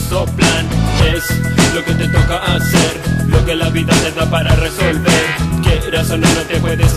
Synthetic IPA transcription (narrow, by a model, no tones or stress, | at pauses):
oplaneslo̞ke̞t̪e̞t̪o̞kaʔːseɾlo̞ke̞laβit̪at̪eðapaɾare̞so̞lβeɾke̞rasonalment̪epweðes